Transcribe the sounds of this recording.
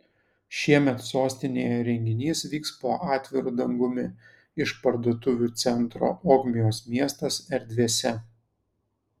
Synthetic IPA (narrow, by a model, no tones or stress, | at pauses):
ʃʲiɛmʲɛt̪soːsʲt̪ʲɪnʲeːjɛɾʲɛŋʲɡʲɪnʲiːsʋʲiːkspoːʔɑːt̪ʲʋʲɪɾuːd̪ɐŋɡʊmʲɪ | ɪʃpɐɾd̪oːt̪ʊʋʲuːˑt̪sʲɛnt̪ɾo̰ːʔoːɡmʲɪjoːsmʲiɛst̪ɐsɛɾʲd̪ʲʋʲeːsʲɛ